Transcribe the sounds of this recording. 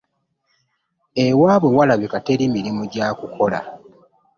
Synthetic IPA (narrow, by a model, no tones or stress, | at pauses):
ewaːβwewalaβikate̞limiɾimuɟaːkukʰo̞la̰